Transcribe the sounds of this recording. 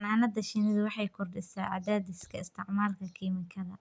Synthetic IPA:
naːnɐd̪ɐʃɪnɪðʊwɑħɑjkʰʊrɖɪsaːʕa̰d̪aːd̪ɪskʰɐɪst̪ʰɪʕmaːrkʰɐkʰiːmɪŋkʰɐðɐ̰

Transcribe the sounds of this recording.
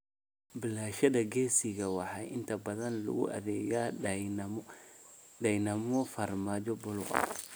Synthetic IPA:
bɪlaːʃɐðɐɡɛːsɪɣɐwɑħɑʔɪnt̪ʰɐbɐðɐnlʊ̰ɣʊ̰ʔɐ̰ðɛːjaː | dɐjnɐmɔfɐrmaːd͡ʒɔbʊlʊqɐ̰

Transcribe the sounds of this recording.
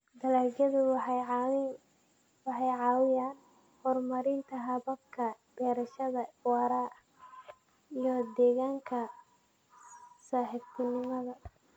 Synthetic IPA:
d̪ɐlaːɡɐðʊw | wɑħɑjʕɑːwɪjaːn | hɔːrmɐɾɪnt̪ʰɐɦɐβɐb̚kʰɐb̥ɛːɾɐʃɐðɐwɑɾa | ijɔd̪ɛːɣaːŋkʰɐ | saːħɪbt̪ʰɪnɪmɐðɐ

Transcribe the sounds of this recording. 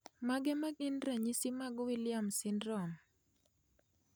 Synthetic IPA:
maɡɛmaɡɪnɾɛɲisimaɡʊwɪlɪjamsɪndɾɔm

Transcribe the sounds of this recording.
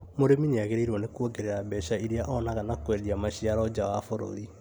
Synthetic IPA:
moɾemineaɣeɾeiɾwɔnekuoɡeɾeɾabɛʃaiɾeaʔɔnaɣanakwɛdiamaɕiaɾɔd͡ʑawafoɾo̰ɾi

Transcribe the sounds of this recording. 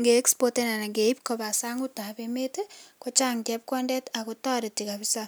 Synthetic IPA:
ŋɡeːkspotenanaŋɡeipkobasaŋutapemetekot͡ʃaŋtɛp̚kɔndɛtakutaɾetikabisa

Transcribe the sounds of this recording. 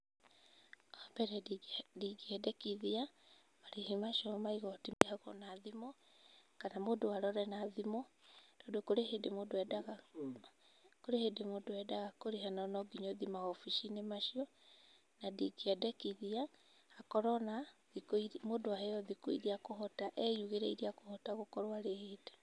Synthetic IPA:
ɔbɛɾɛdiɡiɛdɛkiðia | maɾehemaʃɔmaiɣɔtiehaɣɔ̰naðimɔ | kanamodoaɾɔɾɛnaːðimɔd̥ɔdokoɾehedemodoɛdaɣa | koɾehedemodoɛdaɣakoɾeɦanɔnɔɡiɲɔðimahɔfiʃinemaʃiɔ | nadikiadɛkiðia | hakɔɾɔnaðikimodoahejɔðikoḭɾiakoɦɔtaʔɛjuɣeɾɛiɾiakohɔtaɣokɔɾwaɾeheːde̥

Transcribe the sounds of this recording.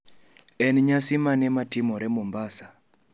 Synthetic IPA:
ɛnɲasimanɛmatimɔɾɛmombasa

